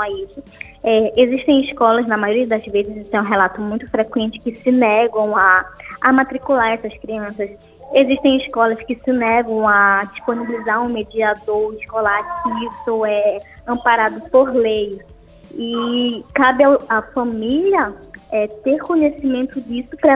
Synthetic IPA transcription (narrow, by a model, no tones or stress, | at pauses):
aisʊ | ɛeziʃt̪ẽj̃iʃkɔlɐznɐmajoɾiɐd̪ɐzvezɪzit̪ẽũɦɛlat̪ʊmũj̃t̪ʊ̥fɾekwẽnt͡ʃɪ̥kɪsɪnɛɡɐ̃w̃aːmat̪ɾikulaɾɛsɐskɾiɐ̃sɐs | eziʃt̪ẽj̃iʃkɔlɐskɪsɪnɛɡɐ̃w̃ad͡ʒisponibilizaɾũmed͡ʒiad̪oɾiʃkolat͡ʃɪ̥kiisʊɛ | ɐ̃mpaɾad̪ʊpoɾlej | ikabɪaafɐ̃miliɐɛt̪eɾkõɲesimẽnt̪ʊd͡ʒisʊpɾɐ